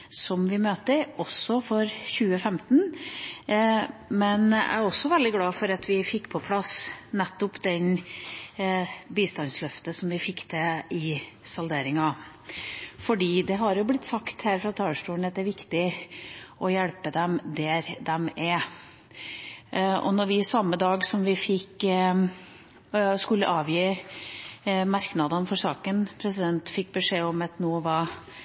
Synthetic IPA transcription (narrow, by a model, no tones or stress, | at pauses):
sɔmʋɪmøːt̪əɾɔsːɔfɔɾɕʉːəfɛmt̪n | mɛnæ̰ɾɔsːɔʋɛld̪ɪɡlɑːfɔɾɑt̪ʋɪfɪkːpʰɔpʰlɑsnɛt̪ːɔpd̪ɛn | biːst̪ɑnslœft̪əsɔmʋɪfɪkːd̪ɛɪsɑld̪eːɾɪŋɑ | fɔɖiːd̪ɛɦɑɾjʊblɪt̪ːsɑkt̪hæːɾfɾɑt̪ʰɑːlʂʈuːəɳɑt̪̚d̪ɛæɾʋɪkt̪ɪ | ʔɔjæɽpəd̪ɛmd̪ɛɾd̪ɛmɛ | ɔ̰nɔɾʋɪsɑmːəd̪ɑːɡsɔmʋɪfɪkː | skʉlːə̰ʔɑːʋjiː | mɑɾknɑd̪ɑnfɔʂɑːkənpʰɾɛs̬ɪd̪ɛnt̪fɪk̚ːbəʂeːɔmɑt̪nuːʋɑː